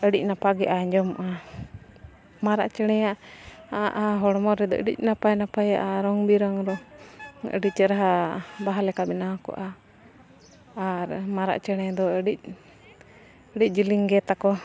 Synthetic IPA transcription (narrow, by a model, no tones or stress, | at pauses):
əɽic̚napaɡɛʔaɛɲd͡ʒɔmɔʔa | maɾaʔt͡ʃɛɽ̃ɛjaʔaʔaɦɔɽmɔɾɾɛd̪ɔ̰ə̰ɖḭc̚napajnapajaʔaɾɔŋbiɾɔŋɾɔ | ə̰ɖic̚t͡ʃəɾaɦabaɦalɛkabɛnakɔ̰ʔa | ɾmaɾa̰ʔt͡ʃɛɽ̃ɛd̪ɔəɖic̚ | əɽic̚ˀd͡ʒiliŋɡɛt̪akɔ